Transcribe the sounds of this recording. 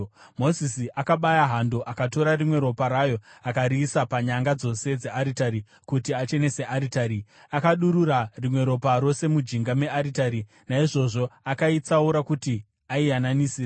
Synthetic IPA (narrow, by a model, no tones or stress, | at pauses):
mo̞zisiʔakaɓajaɦando̞ʔakato̞ɾarimwe̞ɾo̞paɾajo̞akaɾiːsapaɲaŋɡad͡zo̞se̞d͡ze̞ʔaɾitaɾi | kutiat͡ʃe̞ne̞se̞ʔaɾitaɾi | akaɗuɾurarimwe̞ɾo̞paɾo̞se̞mud͡ʒiŋɡame̞aɾitaɾi | naiʐo̞ʐo̞akait͡sauɾakuti | aiananisiːra